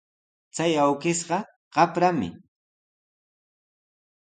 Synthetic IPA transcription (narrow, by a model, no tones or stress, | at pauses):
t͡sajawkɪsɢɑ | ɢɑpɾamɪ̰